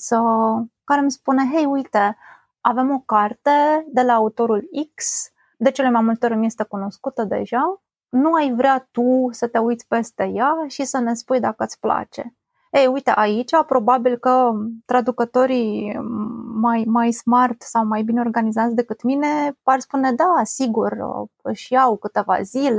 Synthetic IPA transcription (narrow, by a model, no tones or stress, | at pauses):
səkaɾe̞mspuneɦejujt̪e̞ | ave̞mo̞kart̪ed̪e̞laːut̪o̞ɾuliks | d̪e̞t͡ʃelemajmult̪eo̞ɾʲmje̞st̪e̞kuno̞skut̪əd̪e̞̰ʒa | nuajvɾeat̪usət̪e̞ujt̪sʲpe̞st̪e̞jaʃisəne̞spujd̪akəɨt̪sʲpla̰t͡ʃe̞̰ | ejujt̪eʔait͡ʃapɾo̞babilkət̪ɾad̪ukət̪o̞ɾi | majmajsmart̪sawmajbine̞o̞rɡanizat̪sʲd̪e̞kɨt̪mine̞parspune̞d̪asiɡurə̰ʃijawkɨt̪e̞va̰zile